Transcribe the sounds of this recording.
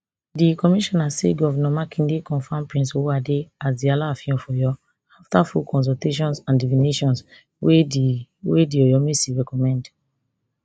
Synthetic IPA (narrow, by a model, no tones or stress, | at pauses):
dikɔmiʃɔnaseɡɔvnɔmakʰĩndekɔ̃nfãmpɹĩnsoadeasdialafĩmfɔjɔ | aftafulkɔ̃ns̬ɔlteʃ̬ɔ̃nsãndivineʃɔ̃ns | we | wediɔjɔmesiɹɛkɔmɛ̃nd